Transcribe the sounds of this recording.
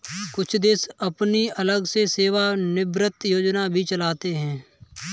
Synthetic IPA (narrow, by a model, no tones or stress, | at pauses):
kʊt͡ʃʰd̪ɪsəpniələɡseseːʋanɪbɾət̪joːd͡ʒnabʱit͡ʃəlaːt̪eɦɛ̃ː